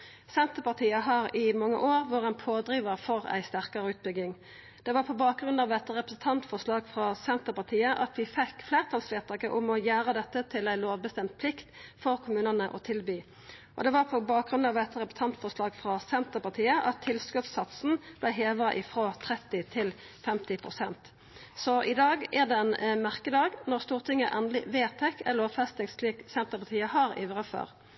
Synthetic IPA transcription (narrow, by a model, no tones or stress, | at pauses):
sɛnt̪əʁpɑʁt̪ʰiːəɦɑʁɪmɑŋːə̰ʔoːʁʋoːʁəɛnpʰoːd̪ɾiːʋəʁfɔʁæ̰ɪst̪æʁkɑʁəʉːt̪̚bʏɡɪŋ | d̪̥ɛʋɑʁpʰɔbɑːk̚ɡʁʉnɑʋ̪ɛt̪ːəʁɛpʁəsn̩t̪ʰɑnt̪fɔʁʂlɑːɡfʁɑsɛnt̪əʁpɑʁt̪ʰiːəʔɑt̪ʋɪfɛkːfleːʁt̪ʰɑlsʋeːʁt̪ʰɑːkəʔʊmɔjæːɾəd̪ɛt̪ːət̪ʰɪlæɪloːʋbəst̪ɛmt̪̚pʰlɪkt̪fɔʁkʰʊmʉːnənəʔɔ̰t̪ʰɪlbyː | ʔɔ̰d̪ɛʋɑʁpʰɔbɑːk̚ɡʁʉnɑʋɛt̪ːʁɛpə̥t̪ʰɑnt̪fɔʁslɑːɡfʁɑsɛnt̪əʁpɑt̪ʰiːəʔɑt̪ʰːɪlskʉt̪sɑt̪sn̩b̥læɪɦeːʋʁəʔɪfɾoːt̪ʰɾɛt̪ːɪt̪ʰɪl | fɛmt̪ɪpʰʁʊsɛnt̪ | sɔʔɪd̪ɑːɡæʁd̪ɛɛnmæʁkəd̪ɑːɡnɔʁst̪uːʁt̪ʰɪŋːəʔɛnəlɪʋeːt̪ʰɛkʰɛlɔfɛst̪nɪŋsfʰlɪksɛnt̪əpɑt̪ʰiːəhɑʁḭːʋʁəfø̰ːʁ